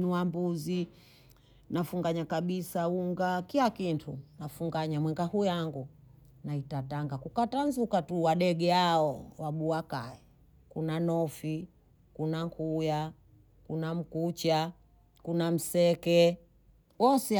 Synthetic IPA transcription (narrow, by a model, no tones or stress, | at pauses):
nuwambuzi | nafuŋɡaɲakaɓisauŋɡakilakintʰunafuŋɡaɲamwɛŋɡahujaŋɡu | naitataŋɡakukatanzukatuwaɗɛɡɛaɔwaɓuakaɛ | kunanɔfi | kunaŋkʰuja | kunam̩kut͡ʃa | kunam̩sɛkɛ | wɔsɛ